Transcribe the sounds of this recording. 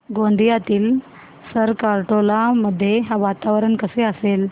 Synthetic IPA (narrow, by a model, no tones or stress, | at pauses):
ɡoɳɖ̪ijat̪iːl | səɾkaɾʈolaməd̪ʱːjeɦaʋat̪aʋɾəɳkəseəsel